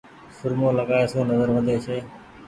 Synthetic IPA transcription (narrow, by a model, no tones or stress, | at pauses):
sʊɾmõːləɡaːeːsõːnəzəɾʋəd̪ʱeːt͡ʃʰeː